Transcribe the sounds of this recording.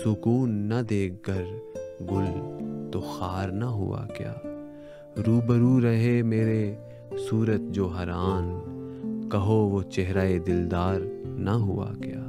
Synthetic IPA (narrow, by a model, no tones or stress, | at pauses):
sʊkuːnːɐd̪eːk̚ʰɡəɾɡʊlt̪oxaːɾnɐɦʊ̰a̰ɡja̰ː | ɾuːbəɾuɾəɦemeːɾe | suːɾət̪̚d͡ʒoːɦɐɾaːn | kɐɦoʋot͡ʃɛɦɾaːed̪ɪld̪aːɾnɐɦʊa̰ɡjaː